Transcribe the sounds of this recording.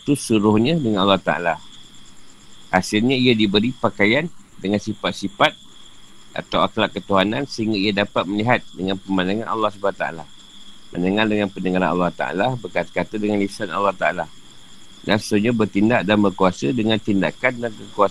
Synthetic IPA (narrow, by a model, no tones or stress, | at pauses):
t̪usuɾʊhɲãdəŋanalːɑht̪aʔa̰la | ʔasɪlɲaiadibəɾipakajandəŋansifat̪̚sifat̪̚ | ʔa̰t̪awaklaʔkːət̪uɦanansəɦiŋɡaiadapat̪̚məliɦat̪̚dəŋanpəmãndaŋanʔa̰lːɑhsəbat̪aa̰la | mə̰̃ndəŋardəŋanpənəŋaɾa̰nʔa̰lːɑht̪a̰a̰labərkat̪kat̪adəŋanlisana̰lːɑht̪aala | danssuɲabərt̪indaʔdanbərkuasədəŋãnt̪indakandankəkua